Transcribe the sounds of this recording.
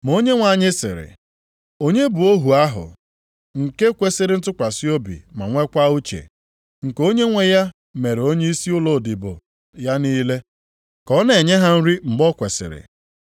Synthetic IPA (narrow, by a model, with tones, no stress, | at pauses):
m˨o˦ɲe˦ŋʷa˨ɲɪ˦sɪ̰˨ɾɪ̰˨ | o˦ɲe˦bu˨o˦ɦu˨a˦ɦʊ̰˨ | ŋ̩˨ke˦kʷe˦sɪ˦ɾɪ˦n̩˦tʊ˦kʷa˨si˦o˦bḭ˨ma˨ŋʷe˦kʷa˦u˦t͡ʃḛ˨ | ŋ̩˨ko˦ɲe˦ŋʷe˦ja˦ | me˨ɾe˨o˦ɲe˦i˦si˦ʊ˦lo˨dɪ˨bo̰˨ | ja˦niː˦le˦ | kɔ˦ne˨ɲe˦ɦa˦n̩˦ɾi˦m̩˨bɔ˦kʷe˨sɪ̰˨ɾɪ̰˨